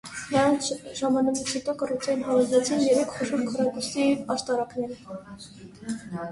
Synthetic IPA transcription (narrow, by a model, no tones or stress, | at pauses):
nɾɑnʒɑmɑnɑkt͡sʰit̪ɑkɑrut͡sʰɑjinɦɑvɑzlɛt͡sʰinjɛɾɛkʰχɔʃɔɾkʰɔɾɑkusiɑʃt̪ɑɾɑknɛɾ